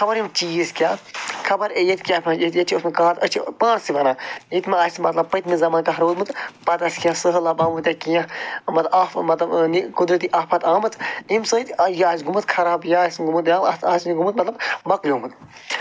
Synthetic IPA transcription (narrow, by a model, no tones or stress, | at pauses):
kʰɐbɐɾjim̚t͡ʃiːzkʲjaːkʰɐbɐɾejet̪kʲaːpʰʲɐ̃jet̪jet͡ʃʰusmɨkaːt̪ət͡ʃʰipãːnsiʋɐnait̪maaːsmɐt̪lɐb̚pɐjt̪mizɐmaːnkaɦɐɾoːd̪mɨt̪pɐt̪ɐskijãsɨɦəlabaːmɨt̪jakijãmɐt̪ʔaːfmɐt̪lɐbnikud̪ɾət̪̬iʔaːfpʰɐt̪aːmɐt̪imsəːt̪ɐjaːsɡumɨt̪kʰɐɾaːbjaːsɡumɨt̪jaːasniɡumɨt̪̚mɐt̪lɐbmɐkjoːmɨt̪